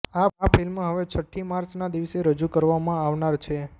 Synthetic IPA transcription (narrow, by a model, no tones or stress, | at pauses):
aapilmãɦəʋet͡ʃʰəʈʰːimaɾt͡ʃnad̪iʋseɾəd͡ʒukəɾʋamãaʋnaɾt͡ʃʰe